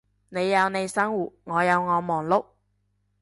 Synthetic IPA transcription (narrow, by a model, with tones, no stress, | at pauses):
ne˨˧jːɐ˨˧wne˨˧jsɐ˥ŋwuː˨˩t̚ŋɔː˨˧jɐ˨˧wŋɔː˨˧mɔː˨˩ŋlʊ˥k̚